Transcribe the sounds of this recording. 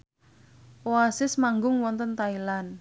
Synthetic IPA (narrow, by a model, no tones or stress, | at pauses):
oasɪsmaŋɡʊŋwɔnt̪ənt̪ailan